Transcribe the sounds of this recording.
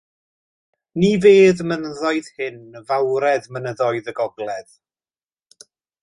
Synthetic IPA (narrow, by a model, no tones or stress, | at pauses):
niveːðmənəðɔɨð̥hɪnəvawɾɛðmənəðɔɨðəɡɔɡlˠɛð